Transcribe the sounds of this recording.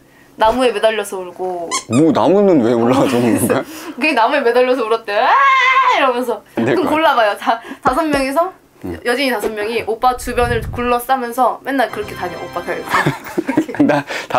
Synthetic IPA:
namue̞me̞daʎːʌsʰʌuɭɡomonamunɯnweoɭːaɡad͡ʑomonakɯɡenamue̞me̞daʎːʌs̬ʰʌuɾʌt̚t͈e | iɾʌmjʌns̬ʰʌkɯmkoɭːabajot͡ɕatasʰʌmmjʌŋe̞sʰʌ | jʌd͡ʑiɲitasʰʌmːjʌŋiʔop͈atubjʌnɯɭkuɭːʌs͈amjʌnsʰʌme̞nːaɭkɯɾʌkʰe̞taɲʌop͈atʰaɭ | kʰeata

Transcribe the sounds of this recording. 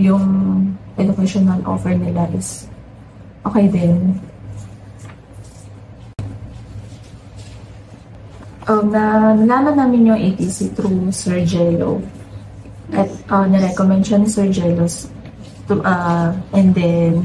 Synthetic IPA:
jʊŋʔɛd̪ʊkɛʃonɐlʔo̰ːfɛɹnɪlaʔɪs | ʔoːkɛjd̪ɪn | ʔonɐnɐlaːmɐnnːaːmɪnɲʊŋʔet̪isit̪ɾusɛɹd͡ʒɛlo̰ | ʔɐt̪̚ʔɐnɛɾɛkomɛnd̪ʃɐnɪsɛɹd͡ʒɛlos | t̪ʔɐʔɛnd̪ɛn

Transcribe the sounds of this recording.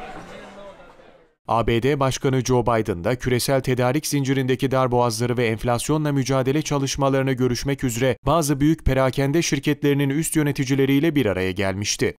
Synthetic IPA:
aːbeːd̪eːbaʃkʰanɯd͡ʒo̞bajd̪ɯnd̪acʰyɾe̞sælʲt̪ʰe̞d̪aːɾicz̥ind͡ʒiɾind̪e̞cʰid̪aɾboazlˠaɾɯvɛːnflʲasjo̞nlˠamyd͡ʒaːd̪e̞lʲɛt͡ʃʰalˠɯʃmalˠaɾɯnɯɟø̞ɾyʃmɛcyzɾɛb̥aːzɯbyjycpʰe̞ɾaːcʰænd̪ɛʃiɾcʰɛt̪lʲeɾininyst̪jø̞ne̞t̪ʰid͡ʒilʲe̞ɾijlʲɛbiɾaɾajaɟælʲmiʃt̪ɪ

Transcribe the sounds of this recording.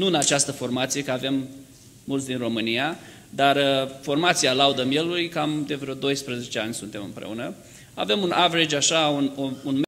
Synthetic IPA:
nuɨnat͡ʃast̪əfo̞rmat̪sije̞kəave̞mː | ult̪sd̪inro̞mɨnija | d̪arfo̞rmat̪sialaud̪əmje̞lulujkamd̪e̞vɾeod̪o̞jspɾəze̞t͡ʃeanʲsunt̪e̞mɨ̰mpɾe̞̰unə | a̰ve̞munʔavɾed͡ʒʲaʃaunounm

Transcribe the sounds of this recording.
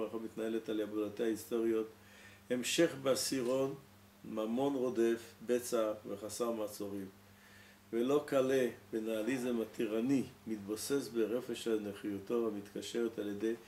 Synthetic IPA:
ʁaχamit̪naeletaljabulat̪eaist̪o̞ʁio̞t̪ | emʃeχbeasiʁo̞n | mamo̞nʁo̞defbet͡saveχasaʁmat͡soʁim | velo̞kalebenaːlizemat̪iʁanimit̪̚bosesbeʁefeʃaneχijot̪ohamit̪kaʃeʁetaljed̪ej

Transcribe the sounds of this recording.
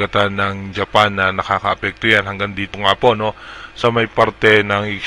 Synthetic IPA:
at̪anaŋd͡ʒapanːanakakaːpɛk̚t̪ianɦaŋɡandit̪uŋapɔnosamaipart̪ɛnaŋik

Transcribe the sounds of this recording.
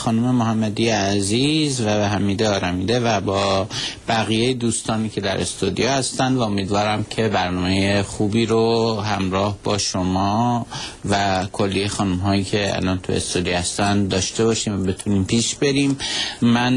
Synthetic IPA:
xɒːnume̞moɦæmːæd̪iːjæziːzvæbeɦæmiːd̪eɒːɾæmiːd̪evæbɒːb̥æɣijejed̪uːst̪ɒːniːcʰe̞d̪æɾʔest̪ud̪ijɒːhæst̪ænd̪væo̞miːd̪vɒːɾæmcʰe̞bæɾnɒːmejexuːbiːɾoɦæmɾɒːhbɒːʃomɒːvækʰo̞lːijexɒːnumɦɒːjiːcʰe̞æ̰lɒːnt̪ʰuḛst̪od̪ijhæst̪ænd̪d̪ɒːʃt̪e̞bɒːʃiːmvæbe̞t̪ʰuniːmpʰiːʃbe̞ɾiːmːæn

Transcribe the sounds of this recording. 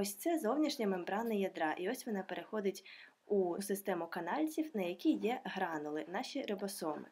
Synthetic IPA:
ɔsʲt̪sɛzɔwnʲiʃnʲɐmembɾɑnɐjɐd̪ɾɑʔiɔsʲʋɔnɑpeɾʔexɔd̪ɪtʲ | usɪst̪ɛmʊkɐnɑlʲt͡sʲiwnɐjɐkʲijɛɦɾɑnʊlˠɪnɑʃʲiɾɪbɔsɔmɪ̰

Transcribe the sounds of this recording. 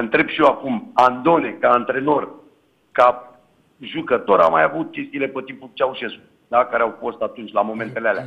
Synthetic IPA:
ɨnt̪ɾe̞bʃijewakumand̪o̞ne̞kaːnt̪ɾe̞no̞r | ka | ʒukət̪o̞ɾa̰majavut̪̚kʲe̞st̪ile̞pət̪imput͡ʃeawuʃesu | d̪akaɾeawfo̞st̪at̪unt͡ʃʲlamo̞me̞nt̪e̞lealea

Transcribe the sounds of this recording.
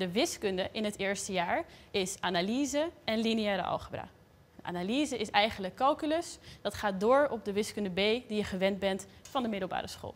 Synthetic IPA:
dəʋɪskɵndəʔɪnɦətɪːɹstəjaːɹɪsaːnaliːzəɛnliniɛːɾə̰ʔɑ̰lˠχəbra̰ː | dəʔa̰ːnaliːzəʔɪsɛjχənləkːɑlˠkylɵsd̥ɑtχaːt̚dʊːɹɔb̚dəʋɪskɵndəbejdijəχəʋɛnd̚bɛntfɑndəmɪdəlˠba̰ːɾəsχo̰ːlˠ

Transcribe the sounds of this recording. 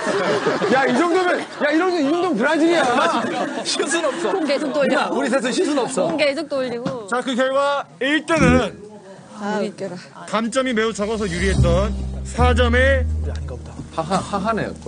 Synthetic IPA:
jaid͡ʑʌŋdomɯn | jaiɾʌnid͡ʑʌŋdoŋtɯɾad͡ʑiɡianaɕʰis̬ʰunʌp̚s͈ʌkesʰok̚t͈od͡ʑuɾis̬ʰes̬ʰʌɕʰis̬ʰunʌp̚s͈ʌkes̬ʰok̚t͈oʎːiɡot͡ɕakɯkjʌɭɡwaiɭt͈e̞nɯn | ik͈eɾa | kant͡ɕ͈ʌmime̞ut͡ɕʌɡʌsʰʌjuɾiɦe̞t̚t͈ʌnsʰad͡ʑʌme̞aʌtaaahaɦanḛjo̰

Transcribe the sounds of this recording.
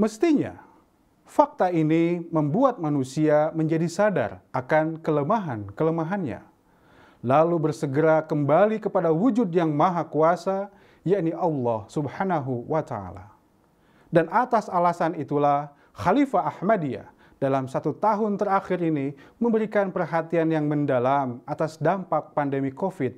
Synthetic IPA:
məst̪iɲa̰ | fak̚t̪ainiməmbuat̪̚manusiaməɲd͡ʒadisada̰rʔakankələmaɦankələmaɦanɲa̰ | lalubərsəɡəɾakəmbalikəpadawud͡ʒʊdjaŋmaɦakuasa | jaʔniʔɑlːɑhsubhanaɦuwat̪a̰a̰la̰ | danʔat̪asalasanit̪ulah | xalifaːhmadia̰ | d̥alamsat̪ut̪aɦʊnt̪əraxɪɾiniməmbəɾikanpərɦat̪ianjaŋməndalamat̪asdampak̚pandəmikofɪt̪̚

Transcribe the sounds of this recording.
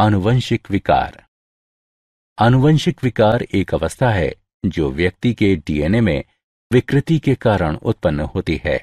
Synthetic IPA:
ɐnʊʋə̃nʃɪkʋɪka̰ːɾ | ɐnʊʋə̃nʃɪkʋɪkaːɾeːkɐʋəst̪ʰaɦɛ̰ | d͡ʒoːʋjɐk̚t̪ikeɖiːeːnemḛ̃ | ʋɪkɾɪt̪ikekaːɾəɽ̃ʊ̰t̪̚pənːəhoːt̪iɦɛ̰ː

